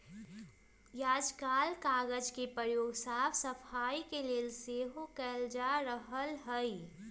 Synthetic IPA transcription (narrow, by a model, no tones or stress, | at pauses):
jaːd͡ʒkaːlkaːɡəd͡ʒkepɾəjoːɡsaːpʰsɐpʰaːikeleːlseːɦokɛld͡ʒaːɾəɦəlɦəi